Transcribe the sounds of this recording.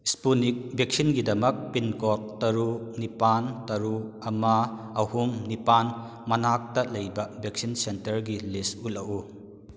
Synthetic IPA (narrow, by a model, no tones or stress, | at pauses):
spunik̚bek̚sinɡidɐmɐk̚pinkɔt̚tɐɾunipantɐɾuɐmɐ | ɐhumnipan | mɐnak̚tɐlɐjbɐbek̚sinsentɐɾɡilistulɐʔu